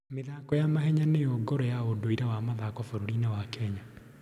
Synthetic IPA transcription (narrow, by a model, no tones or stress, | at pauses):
meðaːkɔjamahɛɲanejoɡɔɾɔjaodoiɾawamaðakɔfoɾoɾinɛwakɛɲa